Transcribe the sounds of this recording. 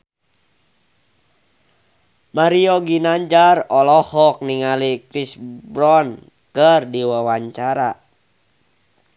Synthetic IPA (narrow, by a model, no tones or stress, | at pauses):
maɾiɔɡinaɲd͡ʒarɔlɔhɔk̚niŋalikɾisbɾɔn | kərdiwawaɲt͡ʃaɾa